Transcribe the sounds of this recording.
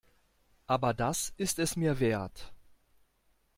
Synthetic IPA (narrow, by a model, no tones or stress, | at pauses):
ʔaːbɐdasɪstɛsmiːɐveːɐt